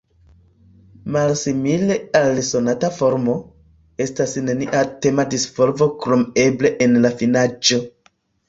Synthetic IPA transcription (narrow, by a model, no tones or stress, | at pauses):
malsimile̞also̞natafo̞ɾmo̞ | e̞stasneniʔate̞madisvo̞lvo̞kɾo̞me̞ble̞ʔenlafinad͡ʒo̞